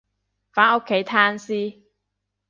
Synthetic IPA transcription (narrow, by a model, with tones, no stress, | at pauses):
faː˨˥no˥kʰːe˨˥jt̪ʰaː˥nsiː˥